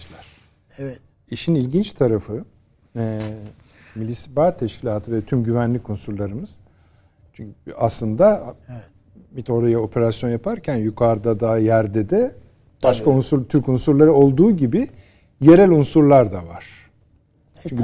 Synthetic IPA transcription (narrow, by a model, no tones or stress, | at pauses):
lʲæɾ̥ | iʃinilʲɟint͡ʃt̪ʰaɾafɯ | ɛ | milʲisbaːt̪ʰːɛʃcʰilʲaːt̪ʰɯvɛt̪ʰymɟyvænlʲikʰunsuɾlˠaɾɯmɯz̥ | t͡ʃʰyɲaslˠɯnd̪a | mit̪ʰo̞ɾajao̞pʰe̞ɾasjo̞njapʰaɾcʰænjukʰaɾd̪ad̪aːjæɾd̪ɛd̪ɛ | b̥aʃkʰaunsut̪ʰyɾkunsuɾlˠaɾɯo̞lˠd̪uːɟibi | je̞ɾɛlʲunsuɾlˠaɾd̪avaɾ̥ʰ | yɲ